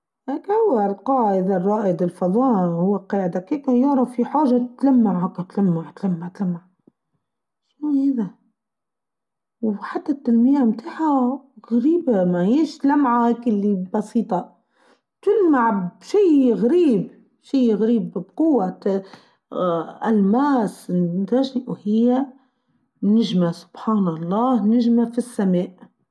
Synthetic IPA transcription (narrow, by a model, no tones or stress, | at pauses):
heːkhʊwːalqɑːʕɪd̪arˤːɑːʔɪd̪ɪlfɑðˤɑːʔhʊwːaqɑːʕɪd̪akeːkajɑʕɾˤɑfiħaːʒat̪lamːaʕʕakat̪lamːaʕt̪lamːaʕt̪lamːaʕ | ʃwiːhaːða | wħat̪ːat̪ːalmɪjːamt̪aːħaɣaɾiːbamahiːʃt̪lamʕakɪlːibɑsiːt̪ˤɑ | t̪ʊlmmaʕʃiːɣaɾiːb | ʃiːɣaɾiːbbqʊwːat̪ | ʔalmaːsnt̪aʒniʔwhɪjːa | nɪʒmasʊ̥b̥ħaːnɑlˤːɑːhnɪʒmafisːameːʔ